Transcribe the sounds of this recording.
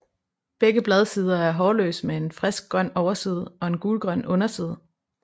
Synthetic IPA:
b̥eɡ̥əb̥lɛð̞ˠsiːð̞ˠɐæɐɦɒːlø̰ːsmee̝nfʁɛsɡ̥̚ɡ̥ʁɶn̰ɒʊɐsiːð̞ˠɒ̽e̝nɡ̥uːlɡ̥ʁɶn̰ɔ̽nɐsiːð̞ˠ

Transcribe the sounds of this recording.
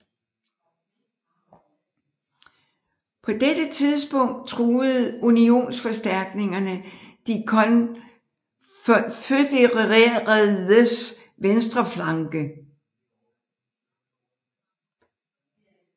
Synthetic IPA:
pʰɒ̽d̥ed̥ət͡sʰiðˠsb̥ɔ̽ŋ̰d̥̚t͡sʰʁuːð̩ˠunio̝̰ːnsfɒ̽sd̥æɐ̰ɡ̥ne̝ŋɐnəd̥ikʰn | fød̥eʁʁeʁðəs | ʋensd̥ʁɐflɑ̈ŋɡ̥ə

